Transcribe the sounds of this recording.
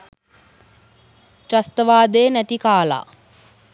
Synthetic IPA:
tɾast̪əʋaːd̪əjənæt̪ikaːla̰ː

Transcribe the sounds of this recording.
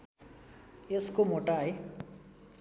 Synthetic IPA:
eskomoʈaɦe

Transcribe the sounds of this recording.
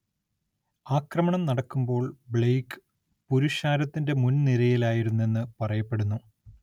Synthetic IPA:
aːkrɐmɐɳɐmnɐɽɐkːumbo̞ːɭbɭejkɨ̥ | puɾuɕaːɾɐt̪ːinde̞munniɾɐjilaːjiɾunːe̞nːɨpɐrɐjɐpːe̞ɽunːu

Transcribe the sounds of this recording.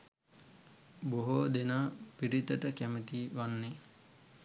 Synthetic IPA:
boɦoːd̪enaːpiɾit̪əʈəkæmət̪iːʋanːe

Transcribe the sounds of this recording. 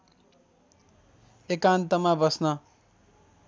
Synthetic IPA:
ekant̪ʌmabʌsnʌ

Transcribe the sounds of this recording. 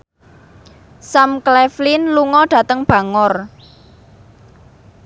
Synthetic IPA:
samklɛflinluŋɔɖ̥ä̤t̪əŋb̥ä̤ŋɔr

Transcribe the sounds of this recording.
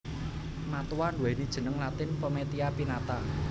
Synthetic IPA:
mat̪uwanduwɛnid̥ʒ̥ə̤nəŋlat̪ɪnpəmet̪iapinat̪a

